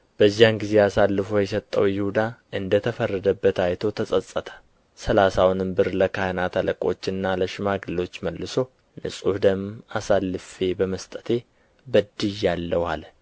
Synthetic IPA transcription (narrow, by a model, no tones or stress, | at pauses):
b̥əzːaŋɡize̞asalːɨfo̞jɛsət̪ʼːə̰wjɪhud̪aʔɨnd̪ət̪ʰəfərːəd̪əbːət̪ajt̪ʰo̞t̪ʰəsʼəsʼːət̪ʰə̥ | səlasawnɨmbɨɾləkʰanat̪ʰaləkʼo̞̰t͡ʃːɨnːaləʃɪmaɡɨlːo̞t͡ʃːməlːɨso̞ | nɨ̰sʼuhd̪əmasalːɨfe̞bəməst̪ʼət̪ʰe̞ | bəd̪ɨjːalːəwal